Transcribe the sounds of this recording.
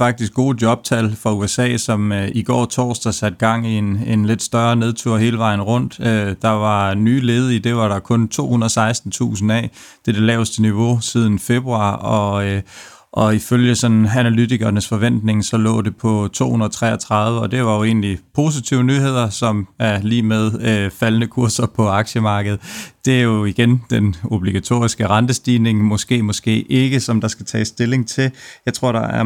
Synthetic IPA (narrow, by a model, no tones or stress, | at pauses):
fɑ̈ɡ̥̚d̥isɡ̥ɡ̥o̝ːd̥jɒ̽b̥̚t͡sʰælfʁɑ̈uesɛ̰ːsɒ̽miɡ̥ɒ̰ːt͡sʰɒ̰ːsd̥æsæd̥̚ɡ̥ɑ̈ŋ̰iene̝nle̝d̥sd̥ɶɐne̝ð̞ˠt͡sʰuɐ̰he̝ːləʋɑ̈ɪn̩ʁɔ̽n̰d̥ød̥ɑ̈ʋɑ̈nyːle̝ːð̞ˠəid̥e̝ʋɑ̈ɾɑ̈kʰɔ̽nt͡sʰo̝̰ːhunɐðˠsɑ̈ɪsd̥n̩t͡sʰṵːsn̩ɛ̰ː | d̥e̝d̥elɛ̰ːʊsd̥əniʋo̝sið̞ˠn̩fe̝b̥ʁuɑ̈ɒ̽ | ʔɒ̽iføljəsɒ̽nænælydiɡ̥ɐnəsfɒ̽ʋen̰d̥ne̝ŋsɒ̽lɔ̰̽ːd̥e̝pʰɒ̽t͡sʰo̝̰ːhunɐt͡sʰʁɛ̰ːɐt͡sʰʁɑ̈ðˠʋəɒ̽d̥e̝ʋɑ̈jo̝e̝̰ːnlipʰo̝ːs̬it͡sʰiʊənyːɦe̝ð̞̰ˠɐsɒ̽mæɐliːmeð̞ˠøfælnəkʰuɐsɐpʰɒ̽ɑ̈ɡ̥ɕəmɑ̈ːɡ̥əð̩ˠd̥e̝æɐjo̝iɡ̥end̥eno̝b̥liɡ̥æt͡sʰo̝̰ːisɡ̥əʁɑ̈nd̥əsd̥iːne̝ŋmɒ̽sɡ̥e̝̰ːmɒ̽sɡ̥e̝̰ːʔe̝ɡ̥əsɒ̽md̥ɑ̈sɡ̥æt͡sʰɛ̰ːsd̥e̝le̝ŋt͡sʰe̝ljɑ̈ɪt͡sʰʁo̝ɐ̰ɾ̥ɑ̈æɐ